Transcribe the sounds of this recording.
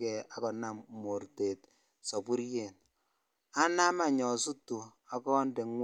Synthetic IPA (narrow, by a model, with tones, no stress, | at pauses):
kɛ˨a˨kɔ˨na˨mmo˨rte˨t | sɔ˨bu˦ɾje˨n | a˦na˦ma˨ɲɔ˨su˦tu˨ | a˨kɔ˦nde˨ŋw